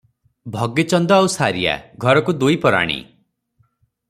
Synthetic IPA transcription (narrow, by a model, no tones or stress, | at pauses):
bʱɔɡet͡ʃɔnd̪ɔawsaɾija̰ɡʱɔɾɔkud̪ujpɔɾa̰ɽ̃ḭ